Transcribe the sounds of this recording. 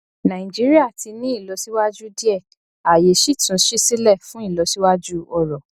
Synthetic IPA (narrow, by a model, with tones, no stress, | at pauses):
nã˨ĩ˨d͡ʒi˨˦ɾi˦a˦˨ti˧nĩ˦i˦˨lɔ˨˦si˦wa˦d͡ʒu˦di˦ɛ˦˨ | a˨je˨˦ʃi˦˨tũ˨˦ʃi˦si˦lɛ˦˨fũ˦i˦˨lɔ˨˧˦si˦wa˦d͡ʒu˦ɔ˧ɾɔ˨